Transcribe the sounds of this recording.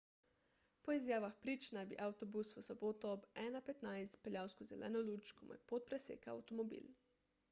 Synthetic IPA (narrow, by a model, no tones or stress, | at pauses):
pɔizjaːʋaxpɾiːt͡ʃnajbḭʔawt̪ɔbusʋəsɔboːt̪ɔɔbɛːnapɛt̪najst̪pɛljaːwskɔzɛlʔɛ̰ːnɔlut͡ʃkɔmo̰jpot̪̚pɾɛsḛːkaa̰wt̪ɔmɔbḭl